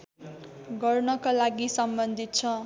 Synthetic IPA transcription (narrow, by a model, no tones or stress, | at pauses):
ɡʌrnʌkolaɡisʌmbʌnd̪ʱit̪̚t͡sʰʌ